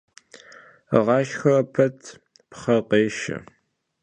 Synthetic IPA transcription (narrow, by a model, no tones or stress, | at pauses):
ʁɑːʃxɐrɐpʰɐtʰ | pχɐqeːʃɐ̰